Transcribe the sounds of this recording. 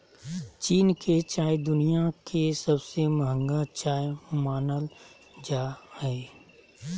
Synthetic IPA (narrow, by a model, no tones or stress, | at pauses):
t͡ʃiːnkʰet͡ʃaːjd̪ʊnijakʰesɐbseməɦə̃ŋɡat͡ʃaːjmaːnəl | d͡ʒaːhɛː